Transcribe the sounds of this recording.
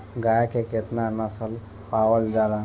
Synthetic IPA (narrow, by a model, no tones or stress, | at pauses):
ɡajakeket̪naɾnasəl | paʋəld͡ʒaɾã